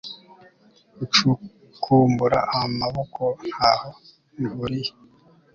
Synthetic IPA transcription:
ut͡ʃu | kʰuːmbuɾa̰ʔamaβokʰon̥haho | βuɾiji

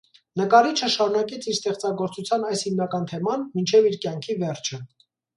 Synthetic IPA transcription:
nəkɑɾit͡ʃʰəʃɑɾunɑkɛt͡sʰiɾst̪ɛχt͡sɑɡɔɾt͡sut͡sʰjɑnɑjshimnɑkɑnt̪ʰɛmɑnmint͡ʃʰɛviɾkjɑŋkʰivɛrt͡ʃʰə

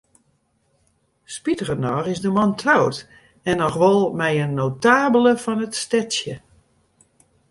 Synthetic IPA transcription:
spitərənɔrɪzdəmɔntʰrawt | ɛnɔxʋɔlˠmɛjənːowtaːbələfɔnətstɛtsjə

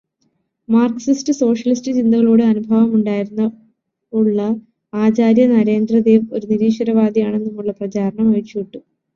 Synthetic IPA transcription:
maːrksistɨso̞ːʂɐlistɨt͡ɕind̪ɐɣɐɭoːɽɨɐnubʱɐʋɐmuɳɖaːjiɾunːɐ | uɭːɐ | aːt͡ɕaːɾjɐnɐɾe̞ːnd̪rɐd̪eːʋo̞ɾuniɾiːʂɐɾɐʋaːd̪ijaːɳenːumːuɭːɐprɐt͡ɕaːɾɐɳɐmɐɻit͡ɕːijiʈːu

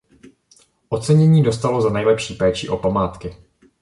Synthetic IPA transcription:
ʔo̞t͡sɛɲɛɲiːdo̞st̪alo̞zanɛjlɛpʃiːpɛːt͡ʃɪʔo̞pamaːt̪kɪ

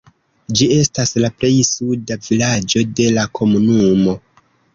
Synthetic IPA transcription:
d͡ʒie̞staslaple̞jsudavilad͡ʒo̞de̞lakʰo̞munumo̞

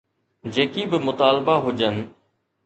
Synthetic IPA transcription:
d͡ʑeːkibɪmʊt̪aːlbaɦʊd͡ʒən

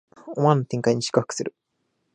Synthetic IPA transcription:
omanːot̪ẽ̞ŋkaiɲ̟iɕi̥kɯhɯ̥kɯ̥sɨɾɯ̟

